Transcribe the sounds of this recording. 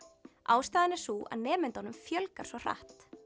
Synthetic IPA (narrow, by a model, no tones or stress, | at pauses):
aːwst̪aːðɪnɛ̥suʔa̰ðnɛːmɪnt̪ɔnʏmfjœlkaɾ̥svɔr̥a̰ht̪